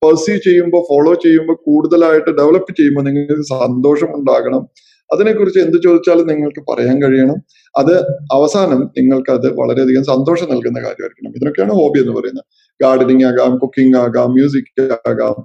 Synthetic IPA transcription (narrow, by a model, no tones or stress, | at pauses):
pɐsit͡ɕe̞jːumbo̞ːfoɭo̞ːt͡ɕe̞jːumbo̞ːkuːɽuðɐlaːjiʈːɨɖeʋɭɐpːɨt͡ɕe̞jːumboniŋːɐɭkːɨsɐnd̪o̞ːʂɐmuɳɖaːɣɐɳɐm | ɐðine̞kːurit͡ɕːɨe̞nd̪ɨt͡ɕo̞ːd̪it͡ɕːaːlumniŋːɐɭkɨpɐ̰rɐjaːnkɐɻijɐɳɐm | ɐðɨɐʋɐsaːnɐmniŋːɐɭkɨɐðɨʋɐ̰ɭɐɾe̞ɐd̪ʱiɣɐmsɐnd̪o̞ːʂɐmnɐlkunːɐka̰ːɾjɐ̰mɐ̰ɾikʲːɐɳɐ̰miðino̞kːejaːɳɨho̞ːbiːe̞nːɨpɐrɐ̰junːɐ | ɡaːɖɐniŋaːɣaːmkukːiŋɡaːɣaːmːjuːs̬ikʲːaːɣa̰ːm